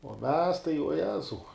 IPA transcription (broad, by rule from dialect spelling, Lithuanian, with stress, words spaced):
uɔ mʲɛs tɐɪ uɔ ˈjæːzɐʊ